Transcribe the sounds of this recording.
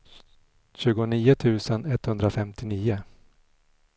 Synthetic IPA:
ɕʉ̟ːɡʊniːʊt̪ʰʉ̟ːsənɛt̪ːhɵnd̪ɾafɛmt̪ɪniːʊ

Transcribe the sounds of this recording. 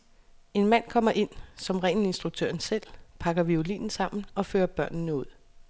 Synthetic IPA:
e̝nmæn̰kʰɒ̽m̰ɐʔe̝n̰sɒ̽mʁɛːnensd̥ʁuɡ̥̚t͡sʰø̰ɐn̩sel̰pʰɑ̈ɡ̥ɐʋiolḭːnn̩sɑ̈m̰n̩ɒ̽føːɐb̥ɶɐ̰n̩nəuð̰ˠ

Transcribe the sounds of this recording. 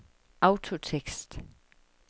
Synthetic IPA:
aʊt͡sʰot͡sʰeɡ̥sd̥

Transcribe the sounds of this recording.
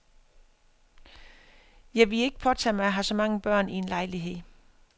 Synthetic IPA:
jɑ̈ɪʋe̝le̝ɡ̥əpʰɒ̽t͡sʰɛ̰ːmɑ̈ɪɦɑ̈sɒ̽mɑ̈ŋəb̥ɶɐ̰nie̝nlɑ̈ɪliɦe̝ð̰ˠ

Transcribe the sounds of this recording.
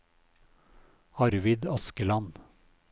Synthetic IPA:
ɑɾʋɪd̪ɑskəlɑn

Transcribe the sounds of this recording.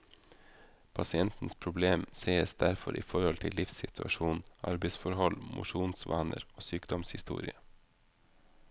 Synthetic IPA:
pʰɑsɪɛnt̪n̩spʰɾʊbleːmseːəsd̪æɾfɔɾʔḭːfɔɾhɔlt̪ʰɪlːɪfsɪt̪ʰʉɑʃuːnnʔɑ̰ɾbɛɪsfɔɾhɔlmʔʊ̰ʃuːnsʋɑːnʔə̰ɾoːsyːkd̪ɔmshɪst̪ṵːɾɪə

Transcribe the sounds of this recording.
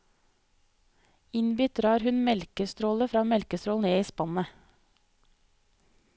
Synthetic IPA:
ɪnbʏt̪̚d̪ɾɑːɾhʉnmɛlkəst̪ɾoːləfɾɑːmɛlkəst̪ɾoːln̩eːiːspɑnə

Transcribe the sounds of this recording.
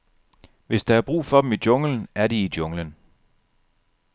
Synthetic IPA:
ʋe̝sd̥ɑæɐb̥ʁṵːfɒ̽d̥emid̥jɔ̽ŋlən̩æɐɾiid̥jɔ̽ŋlən

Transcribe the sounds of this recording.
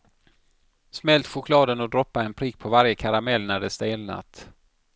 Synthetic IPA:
smɛlt̪ɧʊkʰlɑːd̪ənɔd̪ɾɔpːaɛnpʰɾiːk̚pʰɔvaɾjəkʰaɾamɛlːnæɖɛst̪eːlna̰t̪

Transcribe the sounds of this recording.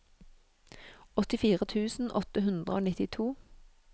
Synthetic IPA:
ɔt̪ɪfiːʁət̪ʰʉːsn̩ʔɔt̪əhʉnd̪ʁəoːnɪt̪ɪt̪ʰuː

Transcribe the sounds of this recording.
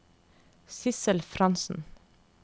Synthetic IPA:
sɪsəlfɾɑnsn̩

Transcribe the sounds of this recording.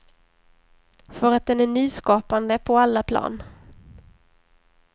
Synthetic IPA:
fœɾat̪̚d̪ɛnæɳyːskɑːpand̪əpʰɔalːapʰlɑ̰ːn

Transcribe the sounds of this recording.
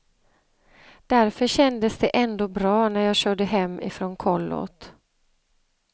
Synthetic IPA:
d̪̥æɾfœɕɛnd̪əsd̪ɛʔɛnd̪oːbɾɑːnæɾjɑːɕœːɖəɦɛmːɪ̰fɾɔnkʰɔlːɔ̰t̪

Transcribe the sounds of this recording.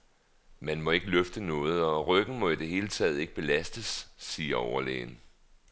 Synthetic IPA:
mænmɒ̽e̝ɡ̥əløfd̥ənɔ̽ːð̞̩ˠɒ̽ʁœɡ̥n̩mɒ̽id̥e̝ɦe̝̰ːlət͡sʰɛ̰ːð̩ˠe̝ɡ̥əb̥e̝læsd̥əsːiːɐɒʊɐlḛːn

